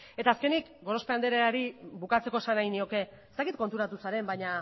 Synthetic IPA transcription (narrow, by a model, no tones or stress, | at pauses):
e̞t̪aːske̞nikɡo̞ɾo̞speand̪e̞ɾeaɾibukat͡se̞ko̞e̞sanajnio̞ke̞ | est̪akit̪̚ko̞nt̪uɾat̪usaɾe̞mbaɲa